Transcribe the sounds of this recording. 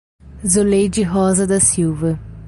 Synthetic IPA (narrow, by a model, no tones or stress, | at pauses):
zolejd͡ʒɪɦɔzɐd̪ɐsiwvɐ